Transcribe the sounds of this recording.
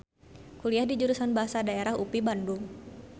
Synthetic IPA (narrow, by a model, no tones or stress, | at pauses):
kuliahdid͡ʒuɾusanbaɦasadaeɾahupibandʊŋ